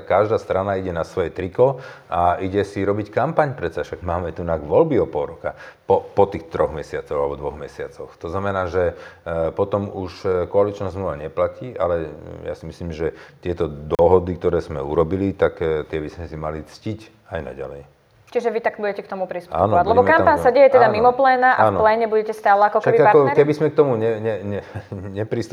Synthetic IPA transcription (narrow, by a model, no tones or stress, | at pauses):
kaʒd̪aːst̪ɾanaiɟɛnasʋɔjɛt̪ɾikɔaiɟɛsiɾɔbickampaɲpɾɛt͡saʃaɡmaːmɛt̪unaɡʋɔlbiɔpɔlɾɔkapɔpɔt̪ixt̪ɾɔɣmɛsɪat͡sɔʊalɛbɔd̪ʋɔɣmɛsɪat͡sɔxt̪ɔznamɛnaːʒɛpɔt̪ɔmuʃkɔalit͡ʃnazmluʋaɲɛplaciːʔalɛja̰simisliːmʒɛt̪ɪɛt̪ɔd̪ɔɦɔd̪ik̚t̪ɔɾɛːzmɛ̰uɾɔbilit̪akt̪ɪɛbizmɛsimalit͡scic | ajna̰ɟa̰lɛj | t͡ʃiʒɛʋit̪aɡbuɟɛcɛkt̪ɔmupɾist̪ua̰ːnɔɔʋalɛbɔmkampansaɟɛjɛt̪ɛd̪amimɔplɛːnaʔaanplɛːɲɛbuɟɛcɛst̪aːlɛakɔk̪abiaaɾkɔkɛbizmɛk̚t̪ɔmuɲɛɲɛɲɛɲɛpɾist̪